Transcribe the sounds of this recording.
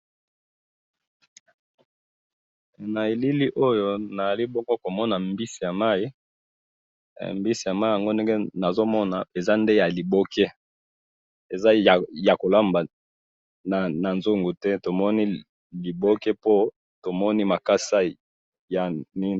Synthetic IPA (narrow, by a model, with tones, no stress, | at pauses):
na˨e˨li˦li˦ʔo˦jo˦na˨za˨li˦bɔ˦ŋɡo˦ko˨mɔ˦na˨mbi˦si˨ja˨ma˦i˦˨ | mbi˦si˨ja˨ma˦i˦ja˨ŋɡo˦nde˦ŋɡɛ˦na˨zo˦mɔ˦na˨e˨za˦nde˦ja˨li˨bo˦kɛ˦ | e˨za˦a˨ja˨ko˨la˦mba˨ | na˨na˨nzu˦ŋɡu˨tɛ˦to˨mɔ˦ni˦ | li˨bo˦kɛ˦po˦ | to˨mɔ˦ni˦ma˨ka˦sa˦ | ja˨ni˦